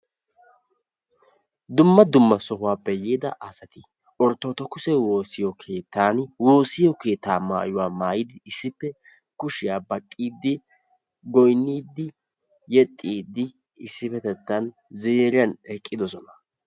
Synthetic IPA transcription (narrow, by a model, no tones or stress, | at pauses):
d̪ʊmːɐd̪ʊmːɐsɔɦʊwaːpːɛjeːd̪ɐʔɐsɐt̪ɪ | ʔɔɾt̪ːoːt̪ɔkʊsɛwo̞ːsɪjɔkʰe̞ːt̪ʰːaːnwo̞ːsɪjɔke̞ːt̪ːaːma̰ːjʊwaːmaːjɪd̪ɪɪsːɪpːɛ | kʊʃɪjaːbɐkʼːiːd̪ːɪ | ɡɔjnːiːd̪ːɪ | jɛt̪ʼːiːd̪ːɪ | ɪsːɪfɛt̪ɛt̪ːɐn | zeːɾɪɐnɛkʼːɪd̪ɔsɔnɐ